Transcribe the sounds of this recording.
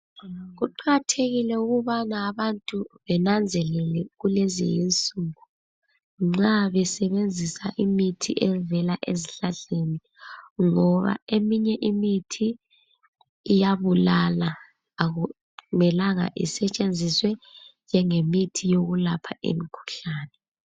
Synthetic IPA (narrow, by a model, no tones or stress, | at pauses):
ɣuǃʰaɣatʰeɣilɛuɣuβanaːβantʼuβɛnand͡zʱɛlɛlɛɣulezḭjint͡sʼuɣu | ŋ͡ǁaβɛsɛβend͡zʱisaʔimitʰiʔɛvɛlaʔeziɬaɮeni | ŋɔβa̰emiɲɛʔimitʰi | jaβulalaː | ɣu | mɛlaŋa̰ʔḭsɛt͡ʃʼend͡zʱiswɛnd͡ʒʱɛŋemitʰijoɣulapʰaʔḛmikʰu̥ɬaːnɛ